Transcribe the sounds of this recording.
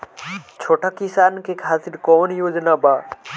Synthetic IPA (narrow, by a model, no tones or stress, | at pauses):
t͡ɕʰoːʈakisaːnkʰekʰaːsɪɾkɔːnjoːd͡ʒnabaː